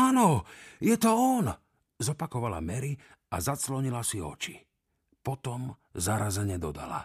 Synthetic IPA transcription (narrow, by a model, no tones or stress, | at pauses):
anɔjɛt̪ɔɔn | zɔpakɔʋala̰mɛɾi | a̰zat͡slɔɲilasiɔ̰t͡ʃi | pɔt̪ɔm | zaɾazɛɲɛd̪ɔd̪a̰la̰